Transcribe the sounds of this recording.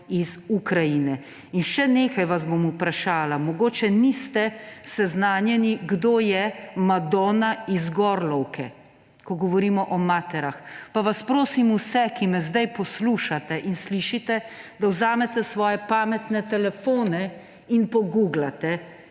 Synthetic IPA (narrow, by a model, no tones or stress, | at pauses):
izukɾajinɛ | inʃɛneːkajʋazbomupɾaʃaːlamɔɡoːt͡ʃɛnist̪ɛsɛznaːnjɛniɡd̪oːjɛmad̪ɔːnaizɡɔɾlɔwkɛ | kɔɡɔʋɔɾiːmɔʔɔmaːt̪ɛɾaxpaʋaspɾoːsimusɛkimɛzd̪ajpɔsluːʃat̪ɛʔinsliʃit̪ɛd̪awzaːmɛt̪ɛsʋɔːjɛpaːmɛt̪nɛt̪ɛlɛfoːnɛ | inpɔɡuːɡlat̪ɛ